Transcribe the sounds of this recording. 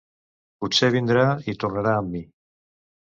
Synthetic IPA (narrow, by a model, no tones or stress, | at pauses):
puseβ̞ind̪ɾait̪urnaɾaəmːi